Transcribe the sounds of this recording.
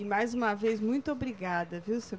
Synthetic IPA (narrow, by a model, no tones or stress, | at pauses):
ɪmajzũmɐvejzmũj̃t̪ʊobɾiɡad̪ɐviwse